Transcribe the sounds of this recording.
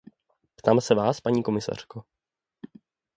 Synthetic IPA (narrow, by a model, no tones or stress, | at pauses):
pt̪aːmsɛvaːspaɲiːko̞mɪsa̰r̝̥ko